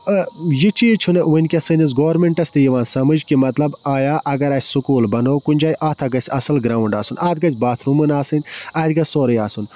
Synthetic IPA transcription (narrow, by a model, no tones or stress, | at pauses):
jit͡ʃʰit͡ʃʰunɨʋɨnʲkʲɐsɨnʲis̬ɡoːɾmeɳʈɐsʲt̪ɨjiʋaːnsɐmɨd͡ʒkimɐt̪lɐbaːjaːʔɐɡɐɾɐːsʲsukuːlbɐnoːkunʲd͡ʒaːjʔaːt̪ʰɐɡɐsʲɐsɐlɡɾaːwuɳɖa̰ːsunaːd̪̚ɡɐzʲbaːt̪ʰɾumɨnaːsɨnʲaːd̪ʲɡɐsʲsoːɾɐjaːsun